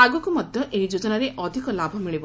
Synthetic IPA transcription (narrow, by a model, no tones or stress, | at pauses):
aɡɔkumɔd̪ʱjɔʔeɦid͡ʒod͡ʒɔnaɾeʔɔd̪ʱikɔlabʱɔmiɭibɔ